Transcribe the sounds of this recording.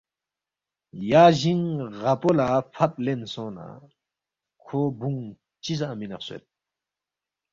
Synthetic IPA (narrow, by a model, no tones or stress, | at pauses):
jaʑiŋʁapolapʰap̚lensɔna̰ | kʰobuŋ | t͡ɕisaminaχsḛt̪̚